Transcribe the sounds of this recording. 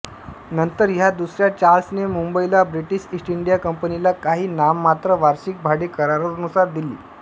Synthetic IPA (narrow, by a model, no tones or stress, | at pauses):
nənt̪əɾɦjad̪usɾjat͡ɕaɾlsnemumbəilabɾiʈiɕisʈiɳɖijakəmpənilakaɦiːnamːat̪ɾəʋaɾɕik̚bʱaɽiːkəɾaɾəɾunusaɾd̪ilḭː